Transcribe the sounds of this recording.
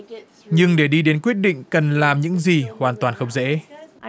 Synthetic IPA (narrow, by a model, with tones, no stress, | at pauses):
ɲɨ˧ŋɗe˧˩ɗi˧ɗe˨˦nkwi˦˥ət̚ɗḭ̈˧˨ŋ̟kə˨˩nlaː˨˩mɲɨ̰˧˥ŋzi˨˩hwaː˨˩nt̪waː˨˩nxə˧wŋ͡mzḛ˧˥